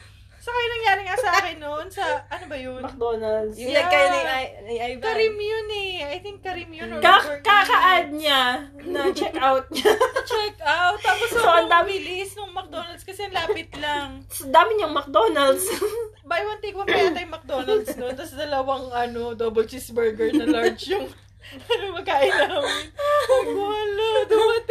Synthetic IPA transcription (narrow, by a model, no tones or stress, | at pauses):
sokɐjʊnɐŋjaːɾɪŋassɐʔaːkɪnːonsɐʔɐnobɐjʊmɐk̚d̪oːnɐld̪sjɐkajanɐjnaɐajɐɾimjʊnɛɐjt̪ɪŋkːɐɾimjʊnkakakɐʔad̪̚ɲa | nɐŋt͡ʃɛkʔawt̪̚ɲɐt͡ʃɛkʔawt̪ːaːpossoɐd̪aːmɪlɪɪsnoŋmɐk̚d̪onɐld̪skɐsɛɐŋlaːpɪt̪lɐŋsɐd̪aːmɪɲɐŋmɐk̚d̪onɐld̪s | bajwɐnt̪ekpɐmɐjat̪ɐjmɐk̚d̪onɐld̪snont̪ɐsd̪ɐlɐwɐŋʔɐnod̪oːbɛlt͡ʃisbɛɹɡɛɹnɐlaɹd͡ʒjʊŋ | ɐnoŋmɐɡ̚kaʔɪlɐ | ɡɐlod̪ʊmɐt̪